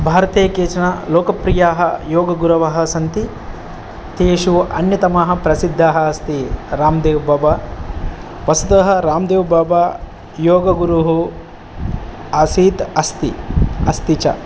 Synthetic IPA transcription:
bʱaːɾɐt̪eːkeːt͡ʃɐɳɐloːkɐpɾijaːɦɐ̰joːɡɐɡuɾɐʋɐɦɐ̆sɐnt̪i | t̪eːʃuʔɐnjɐt̪ɐmɐɦɐ̆pɾɐsid̪ʱːaːɦɐɐst̪iɾaːmd̪eːʋbaːba | ʋɐsud̪ɐɦɐ̆ɾaːmd̪eːʋbaːba | joːɡɐɡuɾuɦu | ɐsiːt̪ɐst̪iɐst̪it͡ʃɐ̰

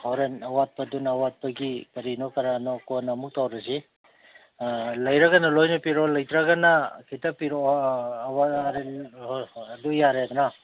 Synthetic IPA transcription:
hɔɾenɐwat̚pɐdunɐwat̚pɐɡipɐɾinokɐɾanɔkonɐmuk̚tawɾɐsi | lɐjɾɐɡɐnɐlojnɔpiɾolɐjtɾɐɡɐnɐkʰitɐpiɾo | waɾeː | dujaɾed̪ɔnɐ

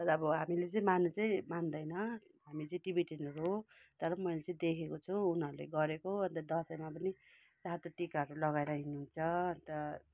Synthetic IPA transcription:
ʌɾːbʌɦamilet͡sʌĩmanut͡sʌĩmand̪ʌjnʌ | ɦamit͡sʌĩʈibiʈenʌɾuɦo | t̪ʌɾʌmʌjlet͡sʌ̃ĩd̪ekʰekot͡sʰũunɦʌɾulḛɡʌɾekoʌnt̪ʌd̪ʌsʌjmap̬ʌni | sat̪oʈikaɦʌɾulʌɡaeɾʌɦineɦunt͡sʰʌʌnt̪ʌ

